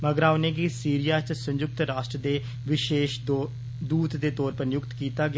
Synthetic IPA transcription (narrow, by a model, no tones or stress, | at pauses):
məɡɾaːoneːɡiːsiːɾɪjaːt͡ʃsə̃ɲd͡ʒʊk̚t̪ɾaːʃʈɾəd̪eː | ʋɪʃeːʃ | d̪uːt̪d̪eːt̪ɔːɾpəɾnjʊkt̪kiːt̪aːɡɪ